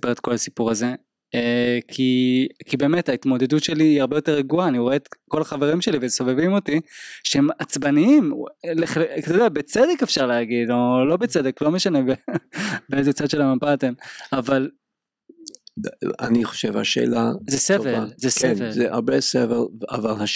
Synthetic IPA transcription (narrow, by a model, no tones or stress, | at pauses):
sḁpeʁet̪̚ko̞lasi̥puʁaze̞ | ekʰikibe̞ːmetait̪mo̞d̪e̞dutʃe̞liːaʁbejo̞t̪e̞ʁeɡuaːniooet̪ko̞laχave̞ʁimʃe̞livezso̞vevimo̞tiʃehemat͡sbaniimleχlkt̪odeabet͡sed̪ekefʃaʁlehaɡid̪lolo̞bet͡sed̪eklo̞meʃane̞bebeezet͡sad̪ʃelamampat̪emaval | a̰niχo̥ʃevha̰ʃḛːlazesevelzesenvelzea̰ʁbesevela̰valha